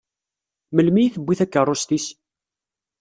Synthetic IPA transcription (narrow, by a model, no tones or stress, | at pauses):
məlmijiθəbːiθækːərˤːost̪is